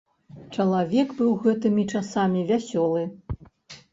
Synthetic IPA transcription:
t͡ʂɐlˠavʲɛɡbɨwɣɛt̪ɨmʲit͡ʂasamʲivʲasʲɔlˠɨ

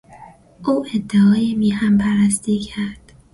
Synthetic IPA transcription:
ʔuːʔed̪ːeɒːjemiːhæmpʰæɾæst̪iːcʰæɾd̪̥

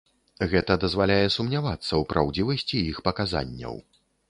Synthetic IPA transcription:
ɣɛt̪ɐd̪ɐzvalʲajɛsumnʲavat̪sːɐwpɾʔa̰wd͡zʲivɐsʲt͡sʲiixpɐkaza̰nʲːɐ̰w

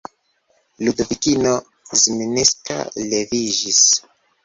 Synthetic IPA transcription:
ludovikino | zminiska̰leviʒis

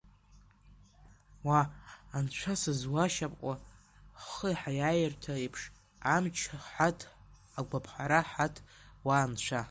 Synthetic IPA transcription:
waːnt͡ʃʷʰasɨzwaʃapʼqʷʼa | χəħajajɪrtʰaepʰʂ | amt͡ʃʰħatʰ | aɡʷapʰħaɾaħatʰwaːnt͡ʃʷʰa

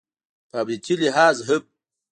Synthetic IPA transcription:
paːbɾitʰiliɦaːzɦɨb̚

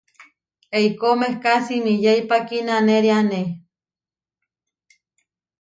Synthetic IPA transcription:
eikomehkasimijeipakinaneɾiane

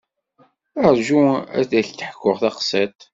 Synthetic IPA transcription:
əɾʒuæ̰θæɬt̪əħkːʊʁθɑqsæt̪

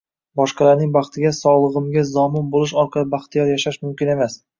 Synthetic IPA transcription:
bɒʃqɑlaɾnɪŋbɑχt̪ʰɪɡʲasɒʁlˠɨʁɨmɡʲazɒmɪnbolˠɪʃɒɾqʰɑlˠɪbaχt̪ʰɪjɒɾjaʃaʃmʊmkʲɪne̞mas

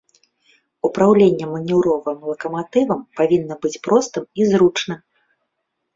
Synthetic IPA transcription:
upɾawlʲenʲːɛmɐnʲɛwɾɔvɨmlˠɐkɐmat̪ɨvɐmpavʲinːɐbɨt͡sʲpɾɔst̪ɨmizɾut͡ʂnɨm

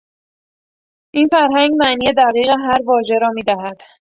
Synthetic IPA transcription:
ʔinfæɾɦæŋɡmæniːje̞d̪æɣiːɣeɦæɾvɒːʒe̞ɾɒːmiːd̪æɦæd̪̥

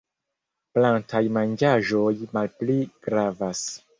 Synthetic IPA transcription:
plantʰajmand͡ʒaʒojmalpliɡ̥ɾavas

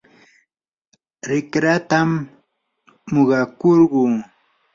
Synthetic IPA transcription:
ɾɪkɾat̪am | oɢɑkoɾɢʊː

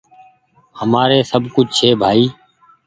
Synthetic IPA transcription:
həmaːɾeːsəbʱkʊd͡ʒʱt͡ʃʰeːbʱaːiː

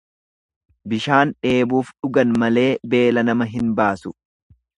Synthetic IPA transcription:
bɪʃaːnᶑe̞ːbuːfᶑʊɡɐnmɐle̞ːbe̞ːlɐnɐmɐɦɪnbaːsʊ

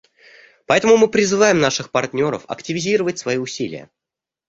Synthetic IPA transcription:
pɐɛt̪əmʊmɨpɾʲɪzɨvajɪmnaʂɨxpɐrtʲnʲo̞ɾə̰fɐ̰ktʲɪvʲɪzʲiɾəvətʲsvɐiʊsʲilʲɪ̰jə̰

